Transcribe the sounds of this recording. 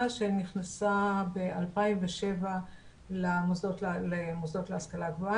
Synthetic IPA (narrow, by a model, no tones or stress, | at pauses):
aʃeniχnasabeʔalpaimveʃe̞va | lamozotlemozdo̞tleaskalaɡvoa